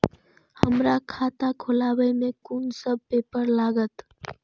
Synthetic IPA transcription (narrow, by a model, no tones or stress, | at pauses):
həmɾakʰat̪akʰolabəjmekunsəb̚pepəɾlaɡət̪